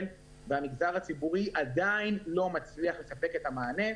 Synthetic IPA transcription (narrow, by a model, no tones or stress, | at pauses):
n | veamiɡzaʁat͡sibuʁiʔad̪ainlo̞mat͡sliaχle̞sape̞ke̞tamaːne̞